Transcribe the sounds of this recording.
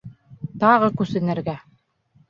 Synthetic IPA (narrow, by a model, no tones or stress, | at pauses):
t̪ɑʁɤkʉsɘ̆nɘ̆ɾɡæ